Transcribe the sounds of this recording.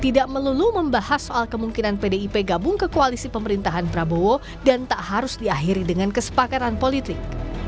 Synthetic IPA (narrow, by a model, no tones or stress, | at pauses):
t̪idaʔməluluməmbahasoʔalkəmuŋkinanpedeipeɡabʊŋkəkoalisipəməɾint̪aɦanpɾabowo | dant̪aʔhaɾʊsdiaɦiɾidəŋankəsə̥pakat̪anpolit̪ɪk̚